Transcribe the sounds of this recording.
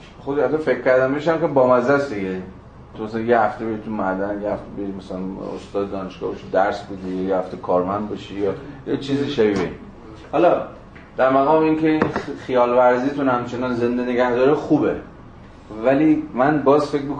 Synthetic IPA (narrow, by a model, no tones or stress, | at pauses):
xod̪eʃhæt̪ːɒfekʰʲcːæɾd̪ænbeʃæmkebɒːmæzæsd̪iɡe | t̪ʰumæsælænjehæft̪ebeit̪ʰumæd̪ænjehæft̪ebeimæsælæno̰st̪ɒːd̪d̪ɒːneʃɡ̥ɒ̰ːbeʃid̪æɾsbed̪ijɒːjehæft̪ekʰɒːɾmænd̪̚bɒʃijɒjet͡ʃʰiːziːʃævibein | hɒlɒ | d̪̥æɾmæɣɒːmeiːnkʲʰeinχijɒːlvæɾziːt̪ʰunhæmt͡ʃʰe̞nɒːnze̞nd̪eneɡæhd̪ɒːɾexuːbe | væliːmænbɒːzfekʲmik